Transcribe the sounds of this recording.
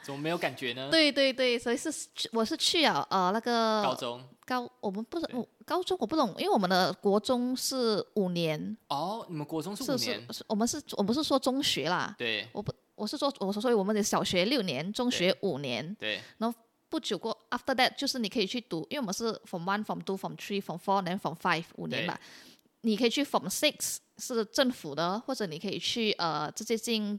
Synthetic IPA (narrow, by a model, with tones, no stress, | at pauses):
smə˦m˧˥ɪjo˧˩ʊka˨˩nt͡ɕɥɛ˨˧˦nə˧t̪we˥˩ɪt̪we˥˧ɪt̪we˥˩ɪswɔ˧˥i˨ʂɻ̩ʰ˥˧˥wɔ˨˩ʂɻ̩˥˧t͡ɕʰy˥˧jɑ˥˨˩ʊʔə˧na˥˩ɡə˨˧˦ŋkɑ˥ʊwʔɔ˨˩mə˦npu˥˩˨kɑ˥ʊt͡sʊ˥ŋwɔ˨˩pu˥˩t̪ʰʊ˨˩˦ŋʔḭ˥nwe˩wɔ˨˩mə˦nd̪ə˧kwɔ˧˥t͡sʊ˥ŋʂɻ̩˥˩u˨˩njɛ˧˦˥nɔ˥˩ni˨mə˦nkwɔ˧˥t͡sʊ˥ŋ˥ʂ̩˥˦˩n̩˥˩wɔ˨˩mə˦nʂɻ̩˥˧wɔ˨˩p̬ʂ̬̩˥˩ʂwɔ˥ʈ͡ʂʊ˥ŋɕɥɛ˧˥lɐ̰˧t̪we˥˩wɔ̰˨˩pu˥ | wɔ˨˩ʂɻ̩˥˧swɔ˥ɔ˨˩sɔ˥swɔ˥˩wɔ˨˩ə˧˦nə˧˥ɕjɑ˨˩ʊɕɥɛ˧˥ljo˥˩ʊnjɛ˧˦nt͡sʊ˥ŋɕɥɛ˧˥ʔu˨˩njɛ̰˧˥nt̪e˧˩n˧˦˥ | pu˥˩t͡ɕjo˨˩ʊkwɔ˥˩a˥ft̪ə˥˧d̪ɛ˧t̚t͡ɕjo˥˧ʊʂɻ̩˥˩ni˨˩kʰɤ˧˥i˨˩t͡ɕʰy˥˩t̪u˧˥i˥˧˥wɔ˨mə˦˥ʂɻ̩˥˩fɹɔ˨˩mwa˥nfɹɔ˨˩mt̪u˥fɔ˨˩mtʰɹi˥˩fɹɔ˨˩mfɔ˧˥nɛ˧˥nfɹɔ˨˩mfa˥ɪvṵ˨˩njɛ̰˧˦nba̰˧˦ | ni˨˩kʰə˧˥i˨˩t͡ɕʰy˥˩fɔ˨˩msɪ˥˩ksʂɻ̩˥˧ʈ͡ʂə˥˩ŋfu˨˩d̪ə˦xwɔ˥˩ʈ͡ʂɤ˧˩ni˨˩kʰə˧˥i˨˩t͡ɕʰy˥˩ʔə˨˩ʈ͡ʂ̩˥˧˩ɕjɛ˥t͡ɕi˥˧ŋ